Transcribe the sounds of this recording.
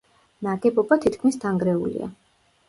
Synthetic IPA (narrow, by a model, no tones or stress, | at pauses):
naɡɛbɔbat̪ʰit̪ʰkʰmisd̪ʰaŋɡɾɛulḭa̰